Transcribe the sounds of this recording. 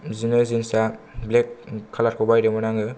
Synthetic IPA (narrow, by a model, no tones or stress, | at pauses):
zinɯzinsa | blekʰːalat̚kʰɔbajɾɯmanaŋɯ